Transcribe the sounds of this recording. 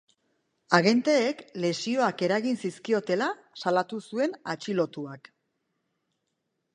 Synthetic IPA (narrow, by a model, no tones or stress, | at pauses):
aɣe̞nt̪e̞ːkle̞sio̞ake̞ɾaɣinsiskio̞t̪e̞la | salat̪usue̞nat͡ʃilo̞t̪uak